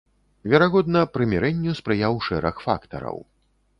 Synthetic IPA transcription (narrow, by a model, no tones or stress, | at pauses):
vʲɛɾaɣɔd̪nɐpɾɨmʲɛɾɛnʲːuspɾɨjawʂɛɾɐxfa̰kt̪ɐ̰ɾɐ̰w